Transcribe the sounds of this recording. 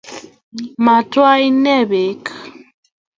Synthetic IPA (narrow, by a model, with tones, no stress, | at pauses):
ma˨twa˦i˦nɛ˦˨βe˨˦ka˨